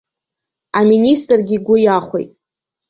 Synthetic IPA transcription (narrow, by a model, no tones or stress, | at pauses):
aministʼrɡʲiɡʷʊjaχʷḛjtʼ